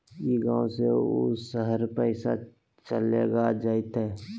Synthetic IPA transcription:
jiːɡãːõseo̰səɦəɾpɛɪsa̰ | t͡ʃəleːɡad͡ʒaːɪt̪ɦɛː

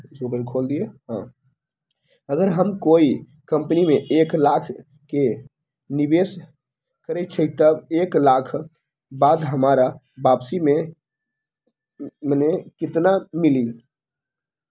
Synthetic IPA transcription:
soɡəɾkʰold̪ijeɦã̰ | əɡəɾɦəmkoi | kəmpnimeʔeklakʰ | ke | nibes | kəɾɛt̪̚t͡ʃʰəjt̪əbeklakʰ | bad̪ɦəmaɾa | bapsime | mənekit̪namili

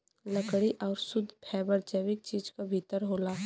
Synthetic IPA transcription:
ləkɽiʔɔːɾsʊd̪ʱpʰɛːbəɾd͡ʒɛːʋɪk̚t͡ʃiːd͡ʒkabʱit̪əɾɦoːlaː

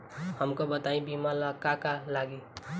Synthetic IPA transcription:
həmkobət̪aĩbimalakakalaɡi

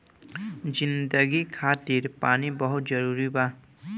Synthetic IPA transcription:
d͡ʒind̪əɡikʰat̪iɾpanibʌɦut̪d͡ʒʌɾuɾiba

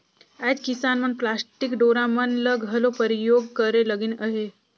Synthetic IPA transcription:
ad͡ʒkisanmənplasʈikɖoɾamənləɡʱɦəlopəɾijoɡ̚kəɾeləɡinəɦe

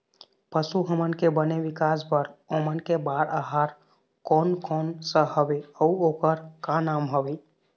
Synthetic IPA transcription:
pəsuɦəmənkebəneʋikaspəɾomənkebaɾaɦaɾ | kɔnkɔnsəɦəbeəuokəɾkanamɦəbe

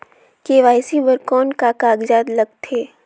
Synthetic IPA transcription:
keːʋaːɪsibəɾkɔːnkakaːɡd͡ʒaːd̪lɐɡ̚t̪ʰeː

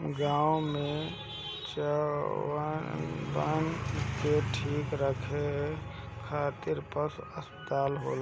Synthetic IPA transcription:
ɡaːwmẽ | t͡ʃa | bənkeʈʰiːkɾəkʰe | kʰaːt̪ɪɾpəsəspət̪aːlɦo̰ːl

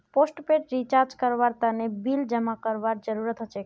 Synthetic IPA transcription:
posʈpeʈɾit͡ʃaɾd͡ʒkəɾʋaɾt̪anebild͡ʒəmakəɾʋaɾd͡ʒəɾuɾət̪ɦət͡ʃʰe

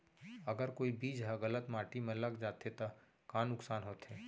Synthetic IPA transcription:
əɡəɾkoːibiːd͡ʒɦɛɣələt̪maːʈimẽləɡd͡ʒaːt̪ʰet̪a | kaːnːʊksaːnɦoːt̪ɦɛː

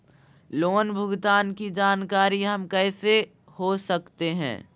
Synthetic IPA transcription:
loːnbʱʊɡt̪aːnkid͡ʒaːnkaːɾiɦɐmkɛːse | hosɐkt̪eɦɛ̰̃ː

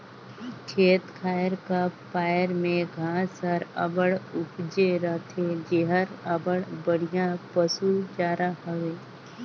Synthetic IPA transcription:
kʰeːt̪kʰaːjəɾkapaːjəɾmẽɡʱãːsəɾə̰bəɽʊpd͡ʒeɾət̪ʰed͡ʒeɦəɾəbəɽbəɽ̤ijãpəsud͡ʒaːɾaɦəʋeː

